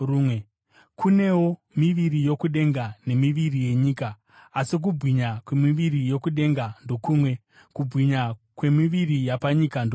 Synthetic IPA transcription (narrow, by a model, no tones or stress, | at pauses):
ruːmwe̞ | kʰune̞wo̞miʋiɾijo̞kuɗe̞ŋɡane̞miʋirije̞ɲiːkaː | sik̬ubʱɣiɲakwemiʋirijo̞kuɗe̞ŋɡando̞kuːmwe̞ | kubɣiɲa | kwe̞miʋirijapaɲikando